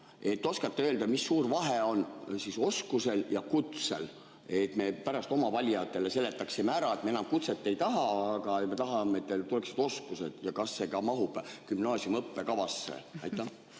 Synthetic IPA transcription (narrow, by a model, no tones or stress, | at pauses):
e̞t̪ːˑo̞skɑt̪ːeøːld̪ɑmisːuːrvɑɦeo̞nsiso̞skuse̞ljɑkut̪se̞̰l | et̪ːme̞pæɾɑst̪o̞mɑvɑlʲjɑt̪ːˑe̞le̞se̞le̞t̪ːˑɑksimeæɾɑe̞t̪meenɑmkut̪se̞t̪ːˑe̞jt̪ɑɦɑːɡ̥ɑeme̞t̪ɑɦɑmeet̪ːelt̪uleksid̪o̞skuse̞d̪̥jɑkɑsːe̞kɑmɑɦub̥kymnɑːsiumɤpːe̞kɑvɑsːḛɑjtt̪ːˑɑ